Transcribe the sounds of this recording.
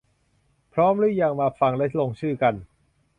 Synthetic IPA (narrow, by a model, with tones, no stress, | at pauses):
pʰɾɔː˦˥mɾɯ˦˥˩ja˧ŋmaː˧fa˧ŋlɛ˦˥t̪̚lo˧ŋt͡ɕʰɯː˥˩ka˧n